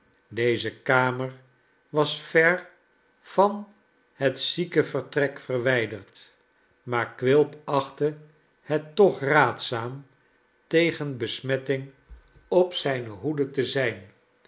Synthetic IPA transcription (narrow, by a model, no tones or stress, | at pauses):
dejzəkaːməɹ | ʋɑsfɛɹ | v̥ɑn | hətsikəvəɹtrɛkfərʋɛjdəɹt | maːɹkʋɪlˠpɑχtə | hɛtːɔχraːtsaːm | tejχənbəsmɛtɪŋ | ɔpsɛjnəɦudətəzɛjn